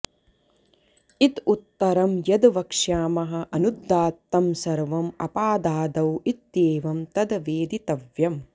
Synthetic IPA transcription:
it̪ut̪ːɐɾɐmjɐd̪ʋɐkʂjaːmɐɦɐ̆ʔɐnud̪ːaːt̪ːɐmsɐɾʋɐmɐ̰paːd̪aːd̪ɐwit̪̚eːʋɐmt̪ɐd̪ɐʋeːd̪it̪ɐʋjɐm

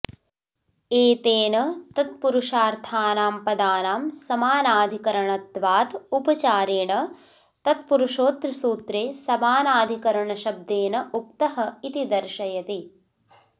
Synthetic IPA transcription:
eːt̪eːnɐt̪ɐt̪̚puɾuʂaːɾt̪ʰaːnaːmpɐd̪aːnaːmsɐmaːnaːd̪ʱikɐɾɐɳɐt̪ʋaːt̪upɐt͡ʃaːɾeːɳɐ | t̪ɐt̪̚puɾuʂoːt̪ɾɐsuːt̪ɾeːsɐmaːnaːd̪ʱikɐɾɐɳɐʃɐb̚d̪eːnɐʔuk̚t̪ɐɦɐit̪id̪ɐɾʃɐjɐt̪i

